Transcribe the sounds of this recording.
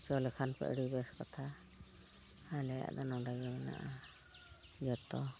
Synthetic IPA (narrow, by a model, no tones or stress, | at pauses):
t͡ʃɔlɛkʰanpɛ̰ʔɽibɛskɔt̪ʰa | alɛja̰ʔd̪ɔnɔwɖaɡɛɛna̰ʔa | d͡ʒɔt̪ɔ